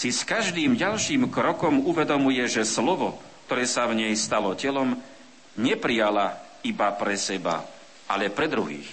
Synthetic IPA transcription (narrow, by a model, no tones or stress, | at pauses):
siskaʒd̪iːmɟalʃiːmkɾɔkɔmuʋɛd̪ɔmujɛʒɛslɔʋɔkt̪ɔɾɛːsavɲɛjst̪alɔcɛlɔm | ɲɛpɾijala | ibapɾɛsɛba̰ | a̰lɛpɾɛd̪ɾuɦḭːx